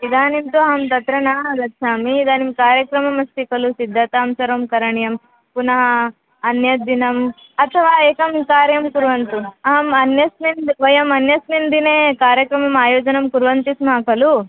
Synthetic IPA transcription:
id̪aːnimt̪uaːmt̪ɐt̪ɾɐɳad̪ɐkʃaːmiːd̪aːnimkaːɾjɐkɾɐmɐmɐst̪ikɐlusid̪ʱːɐt̪aːmsɐɾɐmkɐɾɐɳjɐm | punɐɦɐ | ɐnjɐd̪inɐm | ɐt̪ʰɐʋaːeːkɐmkaːɾjɐmkuɾʋɐnt̪uaːmɐnjɐsmind̪ʋɐjɐmɐnjɐsmind̪ineːkaːɾjɐkɾɐmɐmaːjoːd͡ʒɐnɐmkuɾʋɐnt̪ismaːkɐlu

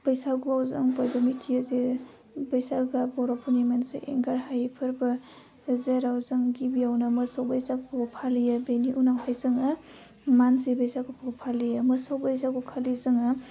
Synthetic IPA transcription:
b̥əjsaɡubawzaŋpajbɐmitʰiaze | bəjsaɡabɔɾɔpʰonimensḛʔḛŋɡaɾhajpʰɯɾbɐ | zeɾawzaŋɡibijawnɐmɐsawbəjsaɡʰoɡpʰalijabeniʔunawhajzɯŋa | manzibəjsaɡupʰoɡpʰalijɐmɐsawbəjsaɡukʰalizɯŋɐ

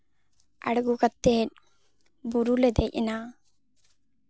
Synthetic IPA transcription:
ɐ̰ɽɡukɐt̪ːeːn | buɾuled̪ejʔnaː

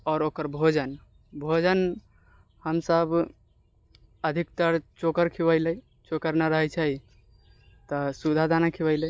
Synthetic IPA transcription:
ɔːɾokəɾbʱod͡ʒən | bʱod͡ʒən | həmsəb | əd̪ʱik̚t̪əɾt͡ʃokəɾkʰiwəjlə | t͡ʃokəɾnaɾəɦɛt͡ʃʰəi | t̪ɔsud̪ʱad̪anakʰiwəɪlə

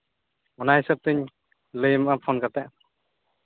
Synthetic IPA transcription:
ɔnaɦisəp̚t̪əɲ | ləjmʔapʰɔnkat̪ɛʔ

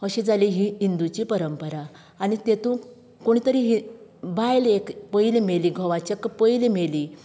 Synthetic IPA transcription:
əɕed͡zaliɦiɦind̪ut͡ɕiːpəɾəmpəɾaː | nit̪et̪ũ | koɽ̃it̪əɾiɦibʱajlekpəilmeliːɡʱɔʋat͡ɕekpəilmeli

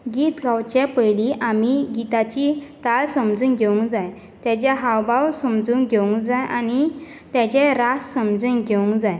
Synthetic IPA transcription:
ɡiːt̪ɡawt͡ɕepəjliʔamiɡit̪at͡ɕit̪alsəmd͡zuːnɡʱeʋũŋkd͡zaj | t̪jat͡ɕjaɦawbawsəmd͡zuːnɡʱeʋũŋkd͡zajʔani | t̪jat͡ɕeɾassəmd͡zuːnɡʱeũŋkd͡zaj

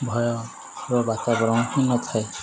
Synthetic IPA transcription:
bʱɔjɔ | ɾɔbat̪abɾɔ̃w̃ɦinɔt̪ʰae

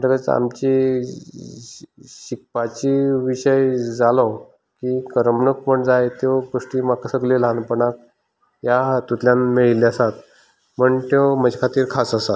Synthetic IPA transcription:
ɾɡət͡sa̰mt͡ɕi | ɕik̚pat͡ɕiʋiɕəjd͡zalɔ | kikəɾəmɳək̚pəɳd͡zajet̪joɡoʂʈiːmakʰasəɡlilanpəɳak̚ | jat̪ut̪ljanmeɭiliəsat̪ | məɳt̪oməd͡ʑekʰat̪iːɾkʰasəsat̪

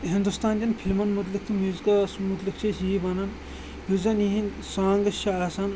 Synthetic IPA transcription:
ɦind̪ust̪aːnd̪ʲɐnpʰilmɐnmut̪̬lik̚t̪ʰimjuːzikɐsmut̪likt͡ʃʰesibɐnɐn | juzɐniɦin | saːŋɡɐʃaːsɐn

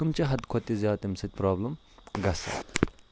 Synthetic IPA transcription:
ɐmt͡ʃɐɦɐd̪kʰot̪ːizjaːt̪imsɐt̪̚ʲpɾaːblɐm | ɡɐsɐ̰

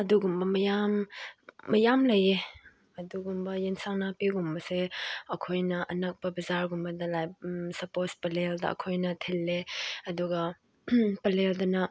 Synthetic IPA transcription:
ɐduɡumbɐmɐjamː | ɐjamlɐje | ɐduɡumbɐjensaŋnapiɡumbɐseɐkʰojnɐʔɐnɐk̚pɐbɐzaɾɡumbɐdɐlajsɐpospɐleldɐ̰ɐ̰kʰojnɐtʰelːeɐduɡɐ | pɐleldɐnɐ

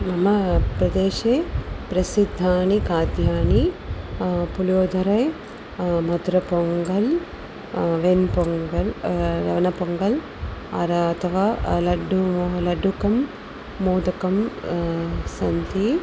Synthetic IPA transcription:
mɐmɐpɾɐd̪eːʃeːpɾɐsid̪ʱːaːnikaːd̪ʱjaːni | puljoːd̪ʱɐɾɐj | mɐd̪ɾɐpoŋɡɐl | ʋenpoŋɡɐlɾɐ̰ʋɐnɐpoŋɡɐl | ɐɾɐt̪ʰɐʋaːlɐɖulɐɖːukɐmː | oːd̪ɐkɐm | sɐnt̪i

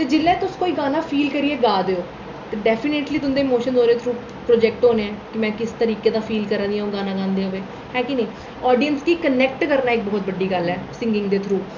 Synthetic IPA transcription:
t̪eːd͡ʒɪlːɛ̃ːt̪ʊskoːiːɡaːnaːpʰiːlkəɾieːɡaːd̪eːoː | t̪eːɖɛːpʰɪneːʈliːt̪ʊnd̪eːmoːʃənzɦoːɾeːt̪ʰɾuː | pɾoːd͡ʒɛːk̚ʈɦoːneːɛ̃ːkɪmɛ̃ːkɪst̪əɾiːkeːd̪aːpʰiːlkəɾə̃nd̪ijãːõːɡaːnãːɡãːnd̪eːoːʋeː | hɛ̃ːkineː | ɔːɖijənskiːkənɛːk̚ʈkəɾnaːɪk̚bɔːt̪̚bəɖːiːɡəlɛːsɪ̃ŋɡɪ̃ŋɡd̪eːt̪ʰɾuː

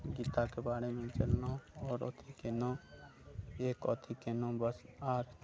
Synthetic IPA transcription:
ɡiːt̪akebaːɽemẽt͡ʃəlnoɔːɾɔ̰ːt̪ʰikeːnõ | eːkɔːt̪ʰikenõbəsaːt̪

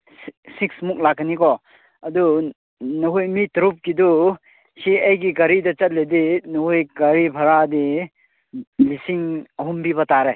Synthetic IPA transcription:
ssiksmuk̚lakːnikɔ | ɐdu | nuɦujmitɾup̚kidu | siɐjɡiɡɐɾidɐt͡ʃɐt̚ledinuhujɡɐɾipʰɐɾadi | lisiŋɐɦumbibɐtaɾe

